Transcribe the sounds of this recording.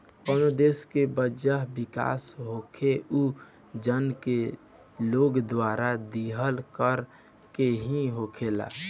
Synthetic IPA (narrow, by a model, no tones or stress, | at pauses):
ɔnod̪eːskebəd͡ʒəɦbɪka̰ːsɦoːkʰeʔu | d͡ʒənke | loːɡd̪waːɾad̪iɦəlkəɾ | keɦĩɦokʰela̰ː